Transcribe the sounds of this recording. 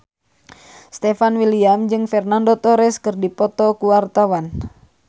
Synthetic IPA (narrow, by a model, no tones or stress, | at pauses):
st̪ɛfanwiliamd͡ʒɨŋfɛrnandot̪ɔɾɛskɨrdipɔt̪ɔkuwart̪awan